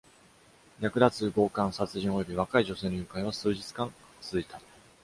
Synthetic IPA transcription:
jakɯ̟d̪at͡sɨɡo̞ːkãɰ̃sat͡sɨʑĩojo̞bʲiβ̞akaiʑo̞se̞ːnojɯ̟ːkaiβasɨːʑit͡sɨ̥kãŋ | t͡sɨzɨit̪ḁ

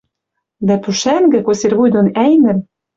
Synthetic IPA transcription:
d̪æpyʃæŋɡɘ̆kosʲerβujd̪onæjnɘ̆m

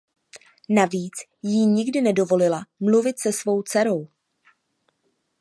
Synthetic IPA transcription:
naviːt͡s | jɪɲɪɡdɪnɛdo̞vo̞lɪlamluvɪt̪sɛsvo̞wt͡sɛɾo̞w

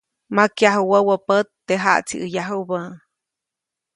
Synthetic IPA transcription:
makjaɦuwəwəpət̪ːeɦa̰ʔt͡sḭʔəjaɦubə

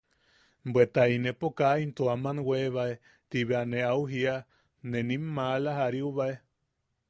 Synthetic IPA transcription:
bwet̪ainepokaint̪uamanweβae | t̪iβeaneauɦia | nenimːalaɦaɾiuβae

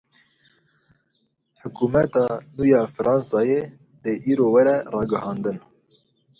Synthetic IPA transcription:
ħʊkuːmɛt̪ɑːnuːjɑːfɨɾʔɑːnsɑːje | d̪eʔiːɾoːwɛɾɛrɑːɡɨhɑːnd̪ɨn

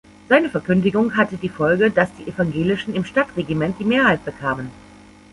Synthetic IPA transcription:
z̥aɪnəfɛɐkʏndɪɡʊŋɦatədiːfɔlɡədasd̥iːʔefaŋɡeːlɪʃn̩ɪmʃtatʁ̥eɡimɛnt̚d̥iːmeːɐhaɪt̚b̥əkʰaːmən

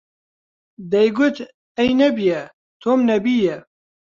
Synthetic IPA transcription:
d̪ɛjɡʊt̪ | ɛjnɛbijɛ | t̪ʰoːmnɛbiːjɛ

